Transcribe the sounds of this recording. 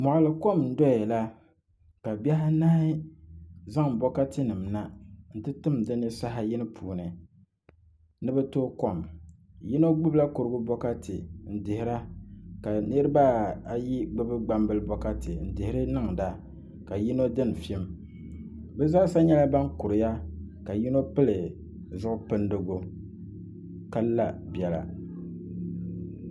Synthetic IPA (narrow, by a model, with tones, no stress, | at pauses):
mɔ˨ʔʊ˨lɨ˨ko˦˨mn̩˦dɔ˦ɛ˨la˦ | ka˨ba˦ɦa˦naː˦hɪ˦ | za˦ŋbɔ˦ka˦tɨ˦nɨ˨mna˦n̩˨tɨ˦tɨ˦mdɨ˦nɨ˦sa˦ɦa˨ji˦nɨ˦pʰuː˨nɨ˨ | nɨ˦bɛ˦toː˦ko˦˨m | ji˦no˦ɡ͡bɨ˦bla˦kʊ˨ɾɨ˨ɡʊ˦bɔ˦ka˦tɨ̰˨n̩˨dɪ˨hɪ˨ɾa˦ka˨nɨ˦ɾɨ˦baː˦˨a˨ji˦ɡ͡bɨ˦bɨ˦ɡ͡ba˦mbɨ˦lɨ˦bɔ˦ka˦tɨ˨n̩˨dɪ˨hɪ˦ɾɨ˦nɨ˦ŋda˦ | ka˨ji˦no˦dɨ˦n˨fi˦m | bɛ˦za˦sa˦ɲɛ˦la˦ba˦ŋkʊ˨ɾɨ˨ja˦ka˨ji˦no˦pɨ˦lɨ˨ | zʊ˦ʔʊ˦pɨ˦ndɨ˨ɡʊ˦ | ka˦lla˦bjɛ˨la̰˨